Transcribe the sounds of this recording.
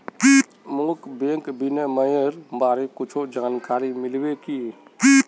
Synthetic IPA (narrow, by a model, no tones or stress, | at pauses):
moːkbẽːŋkbɪneməjəɾbaːɾekʊt͡ʃʰod͡ʒaːnkaːɾimɪlweki